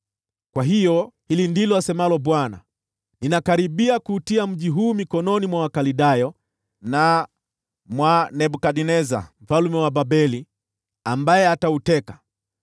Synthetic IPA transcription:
kwaɦijɔhilindilɔasɛmalɔɓwana̰ | ninakaɾiɓiakuːtiam̩ʄiɦuːmikɔnɔnimwawakaliɗajɔ | na | mwanɛɓukaɗinɛza̰m̩falumɛwabaɓɛli | ambajɛatautɛkḁ

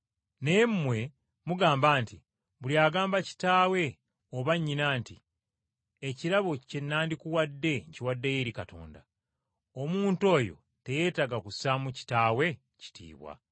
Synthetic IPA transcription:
ne̞mmwe̞ | muɡaːmbaːnti | βuljaːɡaːmbaci̥taːwe̞ | oβaɲːinaːnti | eciɾaβo̞ce̞nːaːndikuwadːe̞ɲciwadːe̞jeɾikato̞̰ːnda | omuːnto̞ːjo̞̰ | te̞je̞ːtaɡakusamuci̥taːwe̞ | ci̥tʰḭːβwa̰

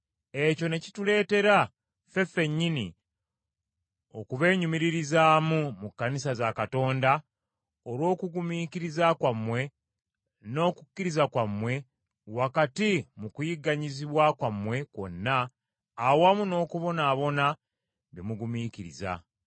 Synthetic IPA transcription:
e̞co̞ne̞citule̞ːte̞ɾa | fe̞fe̞ɲːinḭ | o̞̰kuβe̞ːɲumiɾiɾizaːmumukːanisazakato̞ːnda | oɾwo̞ːkuɡumiːkiɾizakwamːwe̞ | no̞ːkukːiɾizakwamwe̞ | wakatimukujiɡaɲiziβwakwamwe̞kwo̞̰nːaː | wamuno̞ːkuβo̞naːβo̞na | βemuɡumiciɾḭza̰

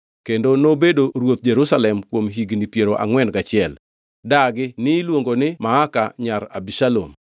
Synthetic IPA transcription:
kendonobedoɾwot̪̚d͡ʒeɾusalɛmkwomɦiɡnipjeɾoʔa̰ŋwɛnɡat͡ʃɪɛl | daɡɪnɪlwoŋɡonɪmaakaɲaɾa̰biʃalo̰m

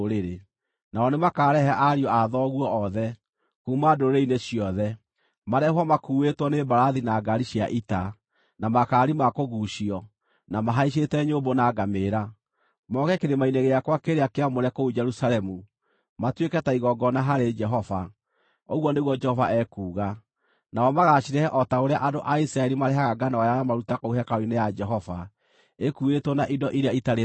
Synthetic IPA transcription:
ɾeɾe | naɔnemakaːɾɛhaʔaɾiɔaðɔɣwɔːðɛ | kuːmadoɾeineɕiɔðɛ | maɾɛɦwamakuːwetwɔnebaɾaðinaɡaɾiɕiaʔita | namakaːɾimakoɣuɕiɔ | namaɦaiɕ̬etɛɲoːbonaɡameːɾa | mɔɣɛkeɾemaineɣeakwakeɾeakeamoɾɛkoud͡ʒɛɾusalɛmu | matwekɛtaiɣɔɡɔnaɦaɾed͡ʒɛɦɔva | oɣwɔneɣwɔd͡ʒɛhɔvaʔɛkuːɣa | naɔmaɣaʃiɾɛhɛʔɔtaoɾeaʔadoʔaisɾaɛɾimaɾeɦaɣaɡanaɔjajamaɾutakouɦɛkaoinejad͡ʒɛɦɔva | ekuɣetwɔnaʔidɔʔiɾeaitaɾe

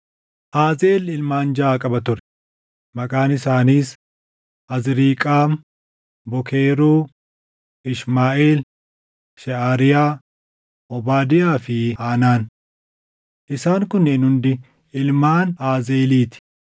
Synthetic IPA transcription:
ʔaːzeːlɪlmaːnd͡ʒɐʔaːkʼɐbɐt̪ʊɾɛ | mɐkʼaːnɪsaːniːs | ʔɐzɾiːkʼaːm | bɔkeːɾuː | ɪʃmaːʔeːl | ʃɛaːɾɪjaː | ʔɔbaːd̪ɪjaːfɪaːnaːn | ʔɪsaːŋkʊnːenhʊnd̪ɪ | ɪlmaːnaːzeːliːt̪ɪ̥

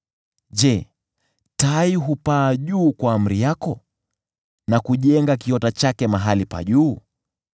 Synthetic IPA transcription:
ʄɛ | taiɦupaːʄuːkwaːm̩ɾijakɔ | nakuʄɛŋɡak̬iɔtat͡ʃakɛmaɦalipa̰ʄuː

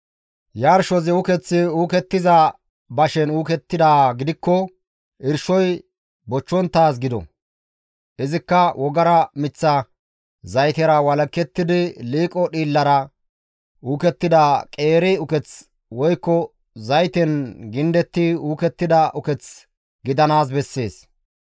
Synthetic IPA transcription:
jaːɾʃɔzɪʊkɛt͡sːɪuːkɛt̪ːɪzɐ | bɐʃɛnuːkɛt̪ːɪd̪aːɡɪd̪ɪkːɔ | ʔɪɾʃɔj | bɔt͡ʃːɔnt̪ːaːs̬ɡɪd̪ɔ̰ | ʔɪzɪkːɐwʔɔɡɐɾɐmɪt͡sːɐ | zɐjt̪ɛɾɐwɐlɐkːɛt̪ːɪd̪ɪliːkʼɔɗiːlːɐɾɐ | ʔuːkɛt̪ːɪd̪akʼeːɾɪʊkɛt͡s | wɔjkːɔ | zɐjt̪ɛnɡɪnd̪ɛt̪ːɪuːkɛt̪ːɪd̪ɐʔʊkɛt͡s | ɡɪd̪ɐnaːs̬bɛsːe̞ːs

